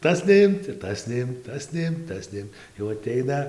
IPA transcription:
ˈtɐs nʲɛˈɪmt ɪr ˈtɐs nʲɛˈɪmt ˈtɐs nʲɛˈɪmt ˈtɐs nʲɛˈɪm jɛʊ ɐˈtʲɛɪnɐ

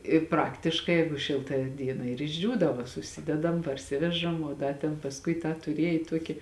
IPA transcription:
ɪ ˈprɑːktʲɪʃkɐɪ ˈjɛɪɡʊ ˈʃʲɪlˠtɐ ˈdʲiɛnɐ ɪr ɪʒʲˈd͡ʒʲuːdɐʋoː sʊˈsʲɪdʲɛdɐm pɐrʲˈsʲɪʋʲɛʒɐm oː ˈdɐ tʲɛn pɐsˈkʊɪ tɑː tʊˈrʲiɛj ˈtuɔkʲɪ

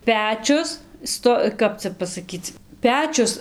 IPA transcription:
ˈpʲæːt͡ʃʲʊs ˈstoː ˈkɐp t͡sʲɛ pɐsɐˈkʲiːt͡s ˈpʲæːt͡ʃʲʊs

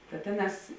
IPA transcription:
tɐ ˈtʲeːˌnɑːs

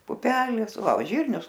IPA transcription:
pʊˈpʲæːlʲeːs ˈʋɐ oː ˈʒʲiːrʲnʲʊs

